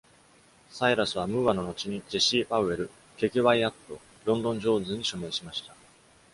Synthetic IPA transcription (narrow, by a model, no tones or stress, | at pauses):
saiɾasɨβ̞amɯ̟βano̞no̞t͡ɕiɲ̟id͡ʑeɕiːpaɯ̟e̞ɾɯ̟ | ke̞kiβaiat̪ːo̞ | ɾõ̞nd̪õ̞ɲ̟d͡ʑo̞ːzɨ̃ɲ̟iɕome̞ɰ̃ɕimaɕi̥t̪ḁ